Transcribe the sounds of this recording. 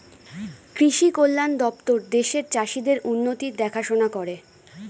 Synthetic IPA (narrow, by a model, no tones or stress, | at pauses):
kɾiʃikolːand̪ɔp̚t̪oɾd̪eʃeɾt͡ɕaʃid̪eɾʔunːot̪id̪ɛkʰaʃonakoɾe